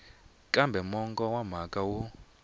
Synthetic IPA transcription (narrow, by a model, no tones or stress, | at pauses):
kʼambʱɛmɔŋkʼɔwam̤akʼawu